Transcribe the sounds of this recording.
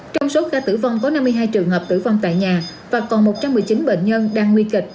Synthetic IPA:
t͡ɕɔ˧wŋ͡mso˨˦kaː˧t̪ɨ̰˧˩va˧wŋ͡mkɔ˨˦na˧mːɨ˧əjɦaː˧jt͡ɕɨ˨˩əŋɦəː˨˩p̚t̪ɨ̰˧˩vɔ˧wŋ͡mt̪a̰ː˧˨jɲaː˨˩vaː˨˩kɔ˨˩nmo˨˩t̚t͡ɕa˧mːɨ˨˩əjt͡ɕi˨˦nɓḛ˧˨nɲə˧nɗaː˧ŋːwi˧kï˨˩k̟̚

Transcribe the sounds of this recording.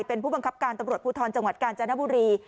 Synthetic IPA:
jpe˧npʰuː˥˩ba˧ŋkʰa˦˥p̚kaː˧nt̪a˧mɾu˨ət̪̚puː˧˩t̪ʰɔː˧nt͡ɕa˧ŋwa˨˩t̪̚kaː˧nt͡ɕa˧na˦˥buː˧ɾiː˧

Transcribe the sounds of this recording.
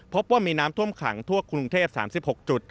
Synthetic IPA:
pʰo˦˥p̚waː˥˩miː˧naː˦˥mt̪ʰu˥˩əmkʰa̰˩˦ŋt̪ʰu˥˩əkʰɾu˧ŋt̪ʰeː˥˩p̚sa̰ː˩˦msi˨˩p̚ho˨˩k̚t͡ɕu˨˩t̪̚

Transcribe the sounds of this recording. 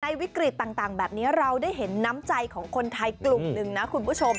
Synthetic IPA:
na˧jwi˦˥kɾi˨˩t̪ːaː˨˩ŋt̪aː˨˩ŋbɛː˨˩p̚niː˦˥ɾa˧wdaː˥˩jɦe˩˦nːa˦˥mt͡ɕa˧jkʰɔː˩˦ŋkʰo˧nt̪ʰa˧jklu˨˩ŋnɯ˨˩ŋna˦˥kʰu˧npʰu˦˥˩t͡ɕʰo˧m

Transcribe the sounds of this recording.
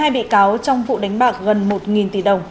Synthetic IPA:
aː˧jɓḭ˧˨kaː˨˦wt͡ɕɔ˧wŋ͡mvṵ˧˨ɗa˨˦jŋ̟ɓaː˨˩k̚ɣə˨˩nmo˨˩t̚ŋi˨˩nt̪i˧˩ɗə˨˩wŋ͡m

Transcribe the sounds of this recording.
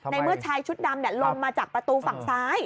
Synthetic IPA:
na˧jmɨ˦˥˩ət͡ɕʰaː˧jt͡ɕʰu˦˥t̪̚daː˧mnɛ˧˩lo˧mmaː˧t͡ɕaː˨˩k̚pɾa˧t̪uː˧fa˨˩ŋsaː˨˦˥j

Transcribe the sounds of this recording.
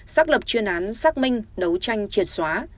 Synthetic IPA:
saː˦˥k̚lə˨˩p̚t͡ɕwi˧ənʔaː˨˦nsaː˦˥k̚mï˧ŋ̟ɗə˨˦wt͡ɕa˧jŋ̟t͡ɕi˨˩t̚swaː˨˦

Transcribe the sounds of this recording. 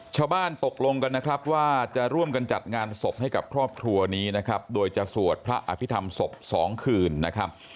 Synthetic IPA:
t͡ɕʰaː˥˩wbaː˥˩nt̪o˨˩k̚lo˧ŋka˧nːa˦˥kʰɾa˦˥p̚waː˥˩t͡ɕa˨˩ɾu˥˩əmka˧nt͡ɕa̰˨˩t̪̚ŋaː˧nso˨˩p̚ha˥˩jka˨˩p̚kʰɾɔː˥˩p̚kʰɾu˧ɐniː˦˥na˦˥kʰɾa˦˥p̚doː˧jt͡ɕa˨˩su˨˩ət̪̚pʰɾa˦˥ʔa̰˧pʰi˦˥t̪ʰa˧mso˨˩p̚sɔː˩˦ŋkʰɯː˧nːa˦˥kʰa˦˥p̚

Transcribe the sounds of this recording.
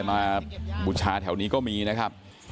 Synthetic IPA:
maː˧bu˨˩t͡ɕʰaː˧t̪ʰɛ˩˦wniː˦˥kɔː˥˩miː˧na˦˥kʰa˦˥p̚

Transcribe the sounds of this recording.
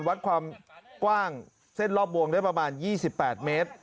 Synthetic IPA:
nwa˦˥t̪̚kʰwaː˧mkwaː˥˩ŋ | se˥˩nlɔː˥˩p̚ːo˧əŋda˥˩pɾa˧maː˧njiː˥˩si˨˩pːɛː˨˩t̪̚meː˦˥t̪̚

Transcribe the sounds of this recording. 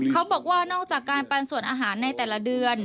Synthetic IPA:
kʰa˦˥wbɔː˨˩k̚waː˥˩nɔː˥˩k̚t͡ɕaː˨˩kːaː˧npa˧nsu˨˩ənʔaː˧ɦaː˩˦nːa˧jt̪ɛː˨˩la˦˥dɯ˧ən

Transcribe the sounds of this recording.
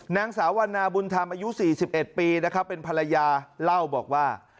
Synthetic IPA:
naː˧ŋsaː˩˦wa˧nːaː˧bu˧nt̪ʰaː˧mʔaː˧ju˦˥siː˨˩si˨˩p̚ʔe˨˩t̪̚piː˧na˦˥kʰpːe˧npʰa˧la˧jaː˧la˥˩wbɔː˨˩k̚waː˥˩

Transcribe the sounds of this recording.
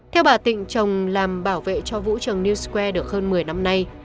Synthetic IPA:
t̪ʰɛ˧wɓaː˨˩t̪ḭ̈˧˨ŋ̟t͡ɕə˨˩wŋ͡mlaː˨˩mɓaː˧˩wvḛ˧˨t͡ɕɔ˧vṵ˧˥t͡ɕə˨˩ŋni˧wskwɛ˧ɗɨ˨˩ək̚həː˧nmɨ˨˩əjna˧mna˧j

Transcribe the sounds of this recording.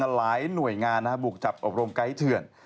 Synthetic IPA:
laː˩˦jnu˨˩əjŋaː˧nːa˦˥˩bu˨˩k̚t͡ɕa˨˩p̚ʔo˨˩p̚ɾo˧mka˦˥˩jt̪ʰɯ˨˩ən

